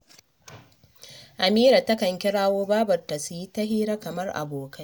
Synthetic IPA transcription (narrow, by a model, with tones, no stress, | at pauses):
ʔa˨miː˦ɾa˨tɐ˦kɐ˨ŋkʲɪ˦ɽaː˦woː˦baː˦bɐ˨rta˨su˨ji˦tɐ˦hiː˦ɽa˦kɐ˨mɐ˦rʔa̰˨boː˨kɐ˦j